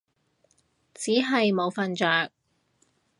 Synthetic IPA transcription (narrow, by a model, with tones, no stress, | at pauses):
t͡siː˨˥ɦɐ˨jmo˨˧wfɐ˨nt͡ʃœː˨k̚